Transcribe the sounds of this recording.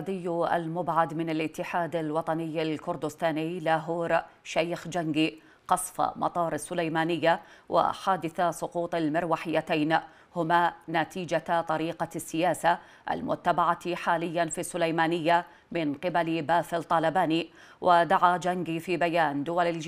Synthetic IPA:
d̪ɪjːa̰lmʊbʕad̪mɪnalʔɪt̪ːɪħaːd̪alwɑt̪ˤɑnɪjːalkʊɾd̪ʊst̪aːniːlaːɦuːɾʃajxd͡ʒaŋɡi | qɑsˤfa̰mʔɑ̰t̪ˤɑːɾˤasːʊlajmaːnɪjːawʔa̰ħaːd̪ɪθasˤʊquːt̪ˤalmɪɾwaːħɪjːat̪ajn | hʊmaːnat̪iːd͡ʒat̪ˤɑɾiːqɑsːɪjaːsa | ʔa̰lmʊ̰t̪ːabaʕaħaːlɪjːanfisːʊlajmaːnɪjːa | mɪnqɪbalbaːfɪlt̪ˤːɑːlabaːni | wʔad̪aʕad͡ʒaŋɡifiːbajaːnd̪ʊwalal

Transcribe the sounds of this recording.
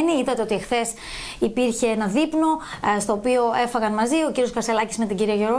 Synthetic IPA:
niit̪ɐt̪eo̞t̪iexθe̞s | ipiɾçe̞enɐðipno̞st̪o̞ːpio̞e̞fɐɣɐnmɐzio̞ciɾio̞skɐɾselɐcisme̞t̪iɟiɾiɐʝo̞ɾo

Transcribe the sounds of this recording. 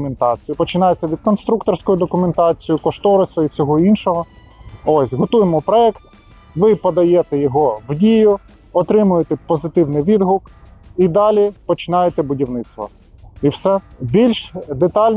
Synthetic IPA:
ment̪ɑt͡sʲijʊpɔt͡ʃɪnɑjet͡sʲːɐʋʲid̪kɔnst̪ɾukt̪ɔrsʲkɔjʊd̪ɔkʊment̪ɑt͡sʲijʊkɔʃt̪ɔɾɪsɔit͡sʲɔɦɔinʃɔɦɔ | osʲɦɔt̪ujemɔpɾɔɛkt̪ | ʋɪpɔd̪ɐjet̪ɛjɔɦɔwdʲijʊ | ɔt̪ɾɪmʊjet̪ɛpɔzɪt̪ɪwnɪjʋʲid̪ɦʊkid̪ɑlʲipɔt͡ʃɪnɑjet̪ɛbʊdʲiwnɪt̪st̪ʋɔ̰ | iwsɛbʲilʲʃd̪et̪ɑlʲn

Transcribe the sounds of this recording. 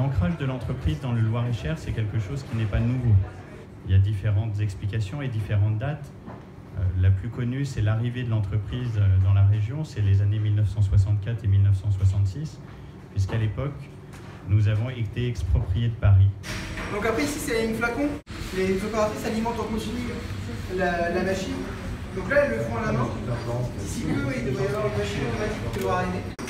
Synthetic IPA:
lɑ̃kχaʒd̪əlɑ̃t̪χəpχizd̪ɑ̃ləlwaʁeʃɛʁsɛkʲɛlkəʃozkʲinɛpanuvo | iljad̪ifeʁɑ̃t̪zɛksplikʲasjɔ̃ed̪ifeʁɑ̃t̪̚d̪at̪ | ø̰laplykɔnysɛlaʁived̪əlɑ̃t̪χəpχizd̪ɑ̃laʁeʒjɔ̃sɛlezanemilnəfsɑ̃swas̬ɑ̃t̪kʲat̪χemilnəfsɑ̃swas̬ɑ̃t̪sis | pɥis̬kalepɔk | nuzavɔ̃et̪eɛkspχɔpχijed̪əpaʁid̪ɔ̃kapχɛisi̥sɛynflakɔ̃lepepaʁat̪χisalimɑ̃t̪ɔ̃kɔ̃tini | lalamaʃin | d̪ɔ̃klaɛlːəfɔ̃alamã | isipøwid̪əvʁɛvaʁopaʃint̪ɔmat̪ikəlɔaʁene

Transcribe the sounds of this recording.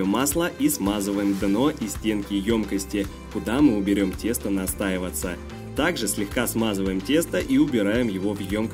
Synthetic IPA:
əmaslˠəʔismazəvəjɪmd̪ɨno̞ʔisʲtʲe̞nkʲɪjo̞mkəsʲtʲɪ | kʊd̪amɨʊbʲɪɾʲo̞mtʲe̞st̪ənɐst̪aɪvət̪sə̰ | t̪aɡʐɨsʲlʲɪxkasmazɨvəjɪmtʲe̞st̪əʔiʊbʲɪɾajɪmjɪvo̞vjo̞mk

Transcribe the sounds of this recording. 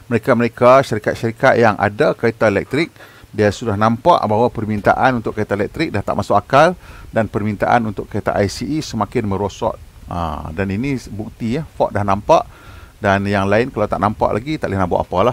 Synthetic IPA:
məɾekaməɾekaʃaɾikat̪̚ʃaɾikat̪̚jaŋʔa̰dakait̪aelɛ̰k̚t̪ɾɪk̚ | diasudahnãmpa̰ʔbaɦwapərmint̪a̰ʔanunt̪ʊʔkːait̪aelɛk̚t̪ɾɪk̚daht̪a̰ʔmasʊʔkakaldanpərmint̪a̰ʔa̰nunt̪ʊʔkːait̪a̰ʔajsiisəmãkɪnmə̃ɾosɔ̰t̪̚ə̰daninibuk̚t̪ijafɔʔdahnãmpa̰ʔ | danjaŋlaɪnkalawt̪aʔnampa̰ʔlʔa̰ɡit̪a̰ʔlɪhnãbo̰ʔa̰palah

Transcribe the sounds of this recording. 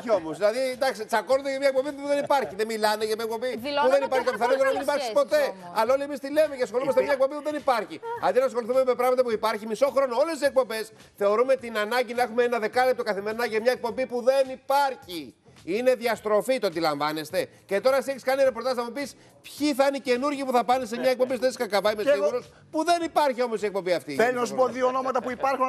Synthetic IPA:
io̞moszðilɐðid̪ɐksit͡sɐko̞nod̪eʝɐmɲɐek̚pobipuuðenipɐɾçiðemilɐneʝɐmɲɐekpobipuðe̞nipɐɾçikɐiθɐɾelonɐmenipɐɾksispo̞t̪e̞ | ɐlao̞lie̞mist̪ile̞meceɐsxo̞lumɐst̪ememɲɐekpo̞mbipuðe̞nipɐɾçiɐ̰nd̪inɐsxo̞liθume̞mepɾɐɣmɐt̪ɐpuipɐɾçimiso̞xɾo̞noolest̪isek̚po̞mbe̞s | θe̞o̞ɾume̞t̪inɐnɐɲɟinɐe̞xumeenɐðe̞kɐlep̚t̪o̞kɐθimeɾinɐʝemɲɐek̚po̞mbipuðe̞nipɐɾçi | ine̞ðiɐst̪ɾo̞fit̪ond̪ilɐɱvɐne̞st̪e̞ce̞t̪o̞ɾɐs̬ieçiskɐniɾe̞po̞ɾt̪ɐznɐmupis | pçiθɐinice̞nuɾʝipuθɐpɐnesemɲɐek̚po̞mbist̪esiskɐkɐvɐimesiɣuɾos | puðe̞nipɐɾçio̞mo̞sie̞k̚po̞mbiɐft̪iθeliosmoðiono̞mɐt̪ɐpuipɐɾxun

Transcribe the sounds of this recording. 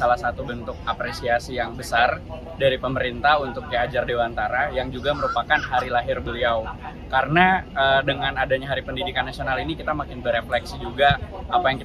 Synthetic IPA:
alahsat̪ubənt̪ʊk̚apɾesiasijaŋbəsar | daɾipəməɾint̪ahunt̪ʊk̚ːiad͡ʒardewant̪aɾajaŋd͡ʒuɡaməɾupakanɦaɾilaɦɪrbəliaw | kaɾənaədəŋanadaɲaɦaɾipəndidikanːasionalinikit̪amakɪnbəɾeplɛksid͡ʒuɡaːpajaŋki

